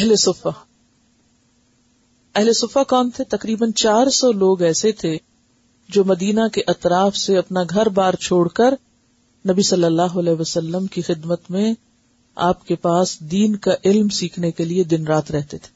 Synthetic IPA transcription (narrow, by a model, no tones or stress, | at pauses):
ɛɦlesʊfa | ɛɦlesʊfakɔːnt̪ʰet̪ɐqɾiːbənt͡ʃaːɾsɔloːɡɛːset̪ʰe | d͡ʒoːmɐd̪iːnakeʔɐt̪ɾaːfseɐpnaɡʱɐɾbaːɾt͡ʃʰoːɽkɐɾ | nɐbisɐlːəlːaːɦoɐlɛːʋɐsəlːəmkixɪd̪mət̪mẽ | a̰ːpkepaːsd̪iːnkaʔɪlmsiːkʰnekelied̪ɪnɾaːt̪ɾɛɦt̪et̪ʰe̥ː